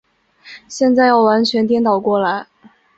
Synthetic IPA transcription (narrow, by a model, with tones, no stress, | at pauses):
ɕjɛ˥˧nt͡sa˥˧ɪjɑ˥˩ʊwa˧˥nt͡ɕʰɥɛ˧˥nt̪jɛ˥nt̪ɑ˨˩ʊkwɔ˥˩la˧˥ɪ